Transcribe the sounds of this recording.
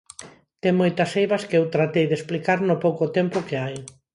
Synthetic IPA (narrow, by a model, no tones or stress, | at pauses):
t̪eŋmojt̪ɐsejβɐskɪewt̪ɾat̪ejðesplikaɾnopowkot̪ɛmpʊkeaj